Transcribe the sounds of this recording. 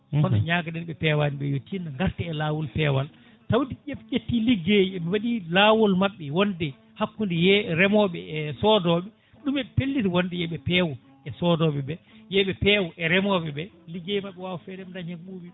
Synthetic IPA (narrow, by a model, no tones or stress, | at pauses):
ɔnɔɲaːɡadɛnɓɛpɛwaniɓɛjotːinaŋɡaɾtɛɛlaːwɔlpɛwal | tawdiʔepʔetːiliɡeːjiɛmiwaɗilaːwɔlmaɓːɛwɔndɛ | hakːundɛjɛɾɛmɔɓɛɛsɔdɔɓɛ | ɗumɛpelːiɾiwɔndɛjɛɓɛpɛːwɔ | ɛsɔdɔɓɛbɛjɛɓɛpɛːwɔʔɛɾɛmɔɓɛbɛ | liɡːejimaɓːɛwaːwɔfɛdɛmndaɲaŋɓuːbi